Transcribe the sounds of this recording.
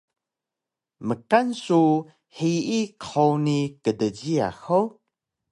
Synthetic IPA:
məkansu | hiikʰownikədəd͡ʑia̰xow

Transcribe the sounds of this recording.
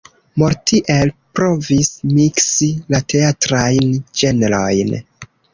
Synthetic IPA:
moɾtiʔe̞lpɾo̞vismiksilate̞atɾajnd͡ʒe̞neɾo̞̰jn

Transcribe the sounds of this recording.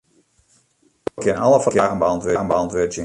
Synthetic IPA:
kʰɪnɑləfkjaːɣənbəɑntʋøɣənbəɑntʋøtjə

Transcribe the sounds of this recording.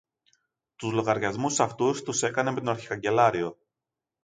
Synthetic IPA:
t̪uzlo̞ɣɐɾʝɐzmusɐft̪ust̪use̞kɐneme̞t̪oɐɾçi̥kɐɲɟe̞lɐɾio̞

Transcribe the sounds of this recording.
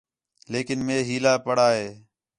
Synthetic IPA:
leːkɪnmẽːɦiːlaːpəɽaːɦeː

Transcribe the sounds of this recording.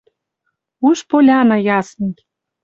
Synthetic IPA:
uʃpolʲɑnɑ̆jɑsni

